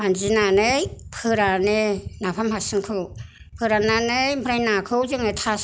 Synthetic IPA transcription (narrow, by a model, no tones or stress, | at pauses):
anzinanɯjpʰɯɾanenapʰamhasɯŋkʰɯw | pʰɯɾananɯjmbʰɾajnakʰɯwzɯŋnɯtʰas